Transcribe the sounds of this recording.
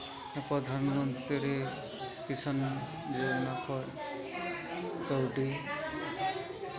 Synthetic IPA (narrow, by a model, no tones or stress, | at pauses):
pɾɔd̪ʱanmɔnt̪ɾiɾe | kisan | d͡ʒenakʰɔ | k̪əwʈi